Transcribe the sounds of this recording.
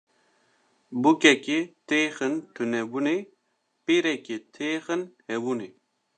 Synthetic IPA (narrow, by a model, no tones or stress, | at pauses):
bukɛket̪eːxɨnt̪ʰɨnɛbune | piɾɛket̪ʰeːxɨnhɛbune